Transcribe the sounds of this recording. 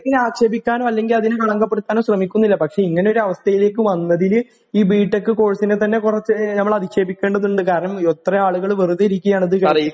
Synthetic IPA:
kinaːkɕeːbikʲːaːnoɐlːe̞ŋɡilɐðinɨkɐɭɐŋɡɐpːeɽut̪ːaːnoːɕrɐmikʲːunːilːɐpɐkʂe̞iŋːɐne̞o̞ɾuɐʋɐst̪ʰɐjile̞ːk̬ːɨʋɐnːɐðil | iːbiːʈːekːɨko̞ːɻsinet̪ɐnːe̞kurɐt͡ɕːɨnɐmːɐɭɐðiɕe̞ːbikʲːe̞ːɳɖɐðuɳɖɨkaːɾɐɳɐmo̞t̪ːrɐaːɭuɣɐɭʋeruðɐɾikʲːuɐjaːɳɐðɨkɐ

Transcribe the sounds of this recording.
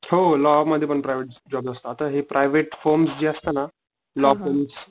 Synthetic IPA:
holɔməd̪ʱjepəɳpɾajʋeʈ̚d͡ʑɔbzəst̪əat̪əɦepɾʔajʋeʈfɔɾmsd͡ʑiːəst̪əna | lɔfəɾms

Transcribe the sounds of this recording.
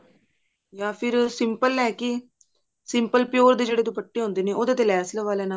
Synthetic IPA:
jaːpʰɪɾsɪmpəlɛːkɪ | sɪmpəlpɪjoːɾd̪eːd͡ʒeːɽeːt̪ũːpəʈːeːɦõnd̪eːneːoːd̪eːt̪eːlɛːslʋaːleːna

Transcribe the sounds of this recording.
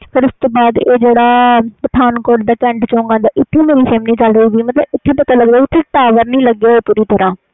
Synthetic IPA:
pʰɪɾʊst̪oːbaːd̪eːd͡ʒeːɽaːpəʈ̪ʰaːnkoːɖd̪aːkɛ̃ːɳɖt͡ʃɔ̃ːŋɡãːd̪aːʔɪt̪ʰːẽːmeːɾiːseːmnĩːt͡ʃəlɾəiɡiːmət̪ləbɪt̪ʰːeːpət̪aːləɡd̪aːʊt̪ʰːeːʈaːʋəɾnəĩːləɡːeːeːpuːɾiːt̪əɾãː

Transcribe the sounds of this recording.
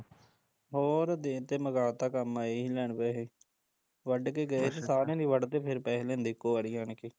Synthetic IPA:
ɦoːɾd̪eːt̪eːməɡaːt̪aːkəmaːeːilɛːɳpeːɦeː | ʋəɖkeːɡəeːt̪esaːɾẽːnĩːʋəɖt̪eːpʰɪɾpɛːɦlẽːnd̪ɪkːoːʋəɽiːaːnkiː

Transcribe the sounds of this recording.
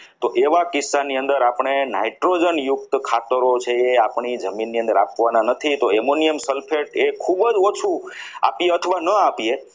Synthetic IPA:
t̪oʔeʋakɪsːaniə̃nd̪əɾapɳ̃ena̰iʈɾod͡ʒənjʊk̚t̪kʰat̪əɾot͡ʃʰeːapɳ̃id͡ʒəminːiə̃nd̪əɾapʋananət̪ʰit̪oemoniəmsəlpʰeʈekʰubəd͡ʒot͡ʃʰua̰pijeət̪ʰəʋanəapie

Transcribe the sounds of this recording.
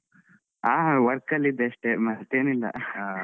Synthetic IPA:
aːɦʋɐɾkɐlːid̪ːeɐʂʈemɐt̪eːnilːɐ̰

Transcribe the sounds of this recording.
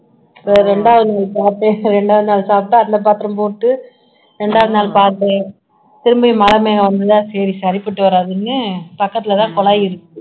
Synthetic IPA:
pɐɾɛɳɖaːʋɐðɯnaːlsaːt̪eɾɛɳɖaːʋɐðɯnaːlsaːp̚ʈːãːɐnd̪ɐp̬aːɾt̪ɪɾɐ̃mpoːʈːɯ | ɾɛɳɖaːʋɐðɯnaːlpaːɾt̪e | t̪ɪɾɯmbɐɪmɐlɐmeːɣɐʋɐnd̪ɯt̪ãːsɛːɾisɐɾɪpːɪʈːɯʋɐɾaːðɯnːɯpɐkːɐt̪ːɪlɐt̪ãːkɔɭaːjɪɾɯkːɯ

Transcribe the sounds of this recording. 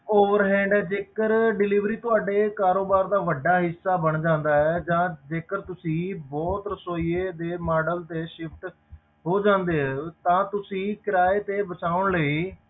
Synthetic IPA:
oːʋəɾɦɛ̃ːɳɖɛːd͡ʒeːkəɾɖɪliːʋɾiːt̪ʊaːɖeːkaːɾoːbaːɾd̪aːʋəɖːaːɦɪsːaːbəɳd͡ʒãːnd̪aːɛːd͡ʒãːd͡ʒeːkəɾt̪ʊsĩːbɔːt̪ɾəsoːieːd̪eːmaːɖəlt̪eːʃɪpʰʈ | ɦoːd͡ʒãːnd̪eːɦɛt̪ãːt̪ʊsĩːkɪɾaːeːt̪eːbət͡ʃaːʊɳləiː

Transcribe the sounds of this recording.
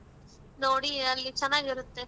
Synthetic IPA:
noːɽiɐlːit͡ʃɛnːaːɡiɾut̪ːe

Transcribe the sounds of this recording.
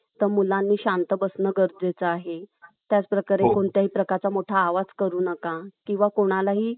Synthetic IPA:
t̪əɾmulãnːiːɕant̪əbəsnəɡəɾd͡zet͡səaɦet̪jat͡spɾəkaɾekoɳt̪jaɦiːpɾəkaɾt͡samoʈʰaːʋad͡zkəɾuːnəkakĩw̃ʋakoɽ̃alaɦiː

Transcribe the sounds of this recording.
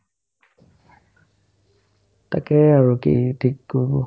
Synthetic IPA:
ta̰kɛaɹukḭtʰikːɔɹbɔ

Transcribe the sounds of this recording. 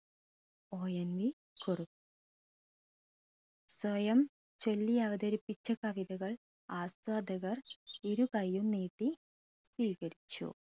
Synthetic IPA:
oːjɐnʋi | kurup̚ | swɐjɐm | t͡ɕo̞lːiɐʋɐd̪ɐɾipːit͡ɕːɐkɐʋiðɐɣɐɭ | aːst̪waːd̪ʱɐɣɐriɾukɐjːumniːʈːi | sʋiːkɐɾit͡ɕːṵ

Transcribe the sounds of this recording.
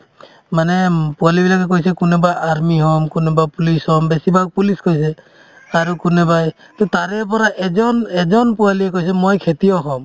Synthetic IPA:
manɛpualibilak̬ɛk̬ojsɛkunɛbaʔaɾmiɦɔmkunebapulishɔmbesibʱaɡ̚puliskojsɛ | aɾukunebaj | t̪ɔt̪aɾɛp̬ɔɾaʔɛd͡ʒɔnɛd͡ʒɔnpualiɛkojs̬ɛmojkʰet̪iɔɦɔm

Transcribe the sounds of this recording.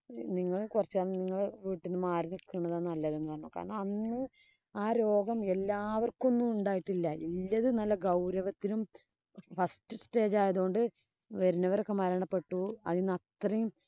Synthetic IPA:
niŋːɐɭkurɐt͡ɕːaːɭniŋːɐɭʋiːʈːenːɨmaːɾinikːuɳːɐðaːnɐlːɐðenːɨkaːɳɐɳukːa̰ːɾɐɳɐmɐnːɨ | aːɾo̞ːɡɐme̞lːaːʋɐrko̞nːumuɳɖaːjiʈːilːɐilːɐðɨnɐlːɐɡɐwɾɐʋɐt̪ːinum | fɐsʈɨsʈe̞ːd͡ʑaːjɐðuɣo̞ɳɖɨ | ʋɐɾunɐʋɐɾo̞kːemɐɾɐɳɐpːe̞ʈːuɐ̰ðinɐt̪rɐjum

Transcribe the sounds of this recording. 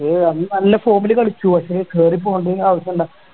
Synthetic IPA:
eɐnnɐlːɐfo̞ːmilɨkɐɭit͡ɕːuʋɐɕɐekeːrip̬ːoːuɳɖɨeŋɡilaːʋɐɕjɐmuɳɖa

